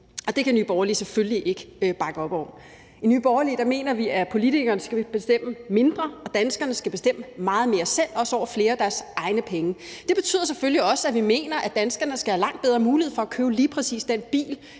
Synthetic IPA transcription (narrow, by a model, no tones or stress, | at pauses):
ɒ̽d̥e̝kʰæny̰ːb̥ɒːʊɐlḭːsefølliʔe̝ɡ̥əb̥ɑ̈ɡ̥əɒ̽b̥ɒ̰ | iny̰ːb̥ɒːɐliːd̥ɑ̈me̝̰ːnɐʋiʔæpʰo̝lit͡sʰiɡ̥ɐːnəsɡ̥æib̥e̝sd̥em̰əme̝nd̥ʁɐɒ̽d̥ænsɡ̥ɐnəsɡ̥æb̥e̝sd̥em̰əmɑ̈ːð̞̩ˠme̝ːɐsel̰ɒ̽sɒʊ̰ɐfle̝ːɐæd̥æɐsɑ̈ɪnəpʰeŋəd̥e̝b̥e̝̥t͡sʰy̰ð̰ˠɐsefølliɒ̽səæʋime̝̰ːnɐʔæd̥ænsɡ̥ɐnəsɡ̥æhælɑ̈ŋ̰d̥̚b̥eðˠʁɐmuːlihḛfɒ̽ækʰøːʊliːpʰʁɛsḭːsd̥enb̥ḭːl